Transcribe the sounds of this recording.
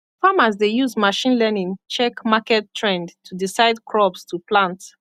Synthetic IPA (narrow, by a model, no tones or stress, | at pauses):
famazdejuzmaʃĩnlɛnĩŋt͡ʃɛkmakɛtʰːɹɛ̃ndtʰudisaɪdkʰɹɔpstʰuplãnt